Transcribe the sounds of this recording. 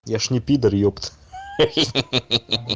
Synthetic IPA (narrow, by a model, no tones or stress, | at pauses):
jaʃnʲɪpʲid̪ərjopt̪